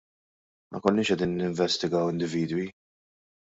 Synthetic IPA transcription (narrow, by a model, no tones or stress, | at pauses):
mʔɐ̰kɔlːnɪːʃɛd̪iːnːɪɱvɛst̪ɪɡɐwɪnd̪ɪviːd̪wi